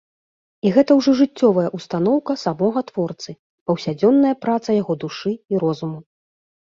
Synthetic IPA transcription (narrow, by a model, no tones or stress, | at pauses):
iɣɛt̪ɐwʐɔʐɨt͡sʲːɔvɐjɐʔust̪anɔwkɐsamɔɣɐt̪v̥ɔrt̪sɨ | pɐwsʲad͡zʲɔnːɐjɐpɾat̪sɐjaɣɔd̪uʂɨiɾɔzumu